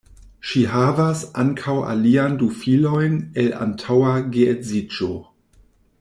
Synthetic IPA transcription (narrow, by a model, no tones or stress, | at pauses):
ʃiɦavasaŋkʰawʔa̰liandufilo̞jnela̰ntʰawaɡeezid͡ʒo